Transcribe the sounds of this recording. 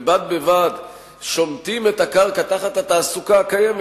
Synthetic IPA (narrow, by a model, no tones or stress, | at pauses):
bad̪̚bevad | ʃo̞mt̪imet̪akalkat̪aχat̪at̪aːsukaːkajem